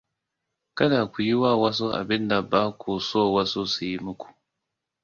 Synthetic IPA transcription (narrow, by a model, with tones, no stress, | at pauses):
kɐ˦daː˨kʷu˨ji˦waː˦˨wa˦s̬o˦ʔa̰˨bɪ˦nda˨baː˦kʷʰu˨soː˦˨wa˦so˦su˨ji˦mʊ˦kʷu̥˨